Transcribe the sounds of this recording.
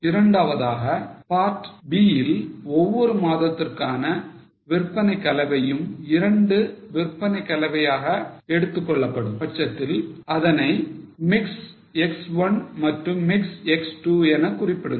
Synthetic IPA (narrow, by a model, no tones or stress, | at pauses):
ɪɾɐɳɖaːʋɐðaːɣɐpaːɾʈbiːjɪlɔʋːɔɾɯmaːðɐt̪ːɪrkaːnɐ | ʋɪrpːɐnɐɪkːɐlɐʋɐjɯmɪɾɐɳɖɯʋɪrpːɐnɐɪkːɐlɐʋɐjaːɣɐɛɽɯt̪ːɯkːɔɭːɐpːɐɽɯmpɐʈt͡ʃːɐt̪ːɪlɐðɐnɐɪmɪks | ɛksʋɐnmɐʈrɯmːɪksɛksʈuːɛnɐkʊrɪpːɪɽɯ